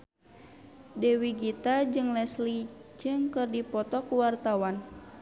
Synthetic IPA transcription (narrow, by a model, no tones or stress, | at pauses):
dɛwiɡit̪ad͡ʒɨŋlɛslid͡ʒɨŋkɨrdipɔt̪ɔkuwart̪awan